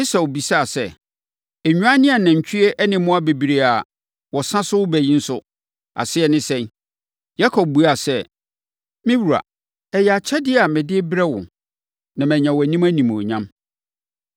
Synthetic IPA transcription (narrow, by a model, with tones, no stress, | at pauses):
ɪ˦sa˨wo˨bi˨sa˦a˨sɛ˦˨ | ɛ˨ɲᶣũ˦a˦nɪ̃˦a˨nã˨ɲ̩˨t͡ɕʰᶣi˦ɛ˦ʔɛ˦nɪ̃˨mʊ̃˦a˦be˨bi˨ɾe˨a˨ | wɔ˨sã˦sʊ˦wʊ˦bæ˨jĩ˦n̩˦sʊ˦ | a̰˨sɪ˦ɛ˨nɪ̃˦sɛ̃˦n | ja˦kʰɔ˨b̚bu˨a˨sɛ˦ | mɪ̃˦wu˨ɾa̰˨ | ɛ˨jɛ˨a˨t͡ɕʰɛ˦dɪ˦a˨mɪ̃˨dɪ˦bɾɛ˦wʊ̰̃˨ | nã˨mɛ̃˨ɲã˨wɔ˨æ˨nĩ˦mæ˦nĩ˨m˨o̰˨ɲã˦m